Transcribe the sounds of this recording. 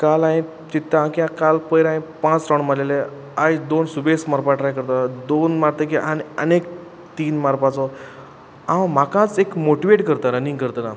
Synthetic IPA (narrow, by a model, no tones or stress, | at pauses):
kalaj̃ | t͡ɕit̪ːãakiãkalpəjɾãj̃pãt͡sɾaɳmalele | ajd̪onsubesmaɾpaʈɾajkəɾt̪ad̪onmaɾt̪əkiʔanə̰nek | t̪iːnmaɾpat͡sɔ | ãm̤akãt͡sekmoʈiʋeʈkəɾt̪aɾənĩŋɡkəɾt̪əna